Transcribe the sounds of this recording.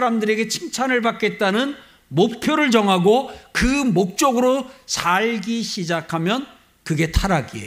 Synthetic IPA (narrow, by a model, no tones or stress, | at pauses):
ɾamdɯɾe̞ɡe̞t͡ɕʰimt͡ɕʰanɯɭbak͈e̞t̚t͈anɯn | mok̚pʰjoɾɯɭt͡ɕʌŋɦaɡokɯmok̚t͡ɕ͈oɡɯɾot͡ɕaɭɡiɕʰid͡ʑakʰamjʌn | kɯɡe̞tʰaɾaɡie